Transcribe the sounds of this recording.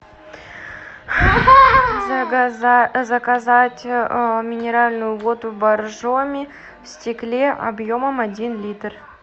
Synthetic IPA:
zɐkazatʲmʲɪnʲeɾalʲnujuvo̞t̪ubarʐomʲi | fsʲtʲɪklʲeʔa̰bjo̞məmadʲinlʲit̪r

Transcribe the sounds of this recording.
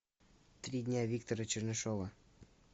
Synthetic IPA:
t̪ɾʲidʲnʲavʲik̚t̪oɾət͡ɕɘ̆rnɘʃovə

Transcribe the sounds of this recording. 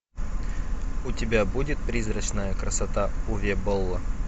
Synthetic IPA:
ʊtʲɪbʲabudʲɪt̪̚pɾʲizrət͡ɕnəjəkɾəsɐt̪aʊvʲebolˠːə

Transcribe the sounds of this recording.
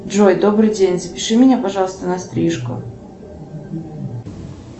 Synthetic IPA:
ʐojd̪obɾɨjdʲenʲzəpʲɪʂɨmʲɪnʲapɐʐɑlˠəst̪ənɐst̪ɾʲiʂkʊ̰

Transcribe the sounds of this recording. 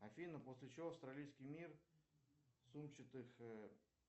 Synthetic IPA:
ɐfʲinəposʲlʲɪt͡ɕɪvofst̪ɾɐlʲijskʲɪjmʲir | sumt͡ɕɪt̪ɨx

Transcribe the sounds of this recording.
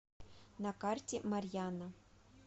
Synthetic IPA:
nakartʲemarʲjana

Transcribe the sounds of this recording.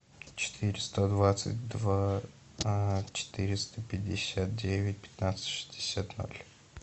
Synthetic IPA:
t͡ɕɪ̥t̪ʰɨɾʲɪst̪od̪vat̪sɨ̰t̚ʲd̪va | t͡ɕɪ̥t̪ɨɾʲɪst̪əpʲɪdʲːɪsʲat̪̚dʲevʲɪt̚ʲpʲɪ̥t̪nat̪sɨ̥tʲʂɨ̥zʲdʲɪsʲat̪no̰lʲ

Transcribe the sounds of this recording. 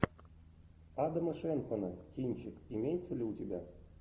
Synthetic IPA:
ɑd̪ɤ̆mɤ̆ʂenxɤ̆nɤkʲinʲt͡ɕɘkimʲejt̪t͡sɘ̆lʲɘ̆utʲebʲæ

